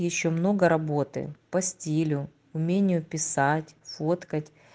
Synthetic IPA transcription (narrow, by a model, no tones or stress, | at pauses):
jɪɕːo̞mno̞ɡəɾɐbo̞t̪ɨ̰pɐsʲtʲilʲʊ | ʊmʲenʲɪjʊpʲɪsatʲfot̪kətʲ